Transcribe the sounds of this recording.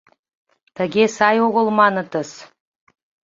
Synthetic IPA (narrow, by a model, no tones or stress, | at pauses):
t̪əɣesɑjoɣə̆lmɑnə̆t̪ə̆s